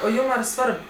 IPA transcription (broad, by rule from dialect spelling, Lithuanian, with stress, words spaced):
oː ˈjuːm ɐr ˈsʋɐrp